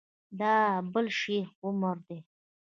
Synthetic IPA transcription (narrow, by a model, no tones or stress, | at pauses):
d̪ɑbəlʃeɾʊməɾd̪e